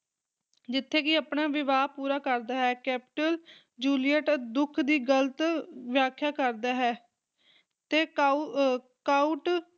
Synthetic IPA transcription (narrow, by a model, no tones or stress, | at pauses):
d͡ʒɪt̪ʰːeːkɪəpnaːʋɪʋaːpuːɾaːkəɾd̪aːɦɛːkɛːpɪʈəl | d͡ʒuːlijəʈd̪ʊkʰd̪iːɡələt̪ʋɪjaːkʰjaːkəɾd̪aːɦɛː | t̪eː | kaːuʈ